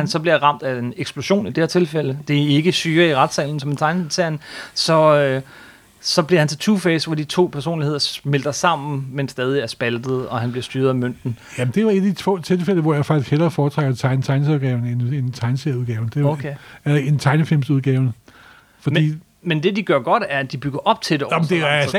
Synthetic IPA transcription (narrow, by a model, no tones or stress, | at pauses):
hænsɒ̽b̥liɐʁɑ̈m̰d̥æeneɡ̥sb̥lo̝ɕo̝̰ːnid̥eɐ̰t͡sʰe̝lfel̰əd̥e̝æe̝ɡ̥əsyːɐiʁɑ̈d̥sɛ̰ːln̩sɒ̽ment͡sʰɑ̈ɪnseɐnsɒ̽ø | sɒ̽bliɐhænt͡sʰe̝t͡sʰufesʋɒd̥it͡sʰo̝̰ːpʰæɐso̝̰ːnlihe̝ð̰ˠɐmeld̥ɐsɑ̈m̰n̩mensd̥ɛːð̞ˠiæɐsb̥æld̥ð̩ˠɒ̽hænb̥liɐsd̥yːɐðˠæmøn̰d̥n̩jæmnd̥e̝ɑe̝d̥æd̥it͡sʰʋo̰ːt͡sʰe̝lfel̰əʋɒjɑ̈fɑ̈ɡ̥ʰiskhelɐːfɒːt͡sʰʁɑɡ̥ɐt͡sʰɑ̈ɪnət͡sʰɑ̈ɪnsɒðˠɡ̥ɛʊn̩enent͡sʰɑ̈ɪnseɐuðˠɡ̥ɛ̰ːʊnd̥e̝okʰeælɐe̝nt͡sʰɑ̈ɪnəfilmsuð̞ˠɡ̥ɛːʊn | fɒ̥̽ḭː | mend̥e̝d̥iɡ̥ɶɐɡ̥ɒ̽d̥æɐæd̥ib̥yɡ̥ɐʔɒ̽b̥̚t͡sʰe̝d̥em̥e